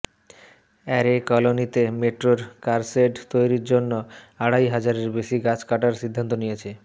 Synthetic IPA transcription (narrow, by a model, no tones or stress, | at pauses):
ɛɾekɔlonit̪emeʈɾoɾkaɾseɖt̪ojɾiɾd͡ʑonːoaɽajɦad͡ʑaɾeɾbeʃiɡat͡ɕkaʈaɾsid̪ʱːant̪onijet͡ɕʰe